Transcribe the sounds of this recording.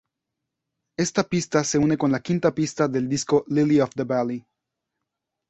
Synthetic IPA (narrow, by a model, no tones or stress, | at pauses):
e̞st̪apist̪ase̞une̞ko̞nlakĩnt̪apist̪aðe̞ld̪iskoliliofðəβali